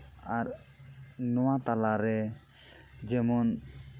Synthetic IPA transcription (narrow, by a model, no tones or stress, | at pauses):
aɾ | nɔwat̪alaɾɛ | d͡ʒɛmɔn